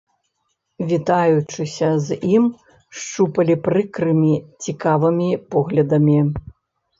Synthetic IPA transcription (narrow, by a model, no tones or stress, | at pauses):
vʲit̪ajut͡ʂɨsʲɐzʲim | ʂt͡ʂupɐlʲipɾɨkɾɨmʲit͡sʲikavɨmʲipɔɣlʲɐd̪ɐmʲi